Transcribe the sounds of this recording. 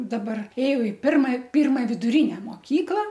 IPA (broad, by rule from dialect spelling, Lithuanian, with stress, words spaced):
dɐˈbɐr ˈeːjɛʊ ɪ ˈpʲɪrmɐ ˈpʲɪrmɐ ʋʲɪdʊˈrʲɪnʲɛ moːˈkʲiːklˠɐ